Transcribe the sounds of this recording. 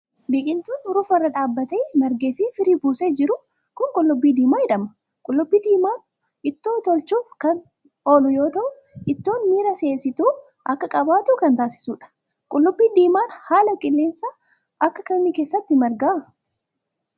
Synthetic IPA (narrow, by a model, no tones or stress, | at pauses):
bɪkʼɪnt̪uːnɾʊfɐrːɐᶑaːbːɐt̪ɛmɐɾɡeːfɪfɪɾiːbuːseːd͡ʒɪɾʊ | kʊŋkʼʊlːʊbːiːd̪iːmaːɪᶑɐmɐ | kʼʊlːʊbːiːd̪iːmaːn | ɪt̪ːo̞ːt̪ɔlt͡ʃuːfkɐn | oːlʊjo̞ːt̪ɐʔʊ | ʔɪt̪ːo̞ːnmiːɾɐse̞ːsɪt̪uː | ʔɐkːɐkʼɐbaːt̪ʊkɐnt̪aːsɪ̥suːᶑɐ̥ | kʼʊlːʊbːiːd̪iːmaːnhaːlɐkʼɪlːeːnsa | ʔɐkːɐkɐmiːkeːsːɐt̪ːɪmɐɾɡaː